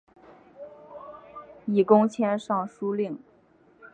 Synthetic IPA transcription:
i˨˩kʊ˥ŋt͡ɕʰjɛ˥nʂɑ˥˧ŋʂu˥li˥˩ŋ

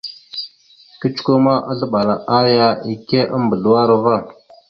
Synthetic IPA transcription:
kə˦t͡ʃu̥˦ku˦ma˦ʔa̰˦ɮə˦ɓa˨la˨ʔa˦ja˦i˨ke˦ʔa˦mbə˨ɮu˨wa˦ɾa˦va˦˨

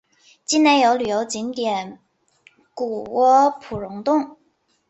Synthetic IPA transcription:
t͡ɕi˥na˧˥njo˧˥ʊly˨˩jo˧˥ʊt͡ɕi˧˥nt̪jɛ˨˩˦n | ku˨˩wɔ˥pʰu˨˩ɻʊ˧˥ŋt̪ʊ˥˩ŋ

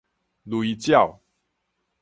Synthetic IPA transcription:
lwi˧t͡ɕja˥˨w

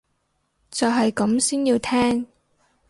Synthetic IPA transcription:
t͡sɔː˨ɦɐ˨jkɐ˨˥msiː˥njiː˧wt̪ʰɛː˥ŋ

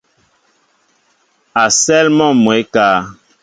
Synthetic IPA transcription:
a˨sɛ˦lmɔ˦˨mwe˨˦kaː˦

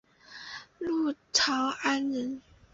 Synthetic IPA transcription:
lu˥˩ʈ͡ʂʰɑ˨˧˦ʊa˦nɻə˨˥n

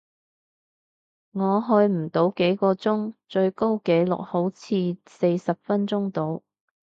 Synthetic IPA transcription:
ŋɔː˨˧ɦɵ˧jm̩˨˩t̪o˨˥wke˨˥jkɔː˧t͡sʊ˥ŋt͡ʃɵ˧ɥko˥wke˨˥jlʊ̰˨k̚ho˨˥wt͡sʰiː˧se˧jsɐ˨p̚fɐ˥nt͡sʊ˥ŋt̪o˨˥w

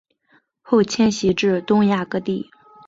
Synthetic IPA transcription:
xo˥˩ʊt͡ɕʰjɛ˥nɕi˧˥ʈ͡ʂɻ̩˥˩t̪ʊ˥ŋja˥˩kɤ˥t̪i˥˩

